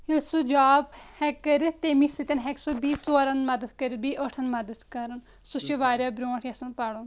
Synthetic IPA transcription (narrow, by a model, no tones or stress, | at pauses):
esud͡ʒaːbhɛkəɾit̪emisit̪ɐnɦɛksubiːt͡soːɾɐnmɐd̪əd̪kɐɾibiːʔəʈʰɐnmɐd̪əd̪kɐɾɐn | suʃiʋaːɾjaːbɾõːʈʰjɐsɐnpaɽon